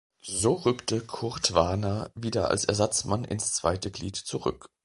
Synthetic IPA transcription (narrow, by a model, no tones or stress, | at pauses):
zoːʁʏktʰəkʰʊɐtv̥anɐviːdɐa̰lsɛɐzat͡smanʔɪ̰nst͡sv̥a̰ɪtəɡlḭːtt͡suʁʏ̰k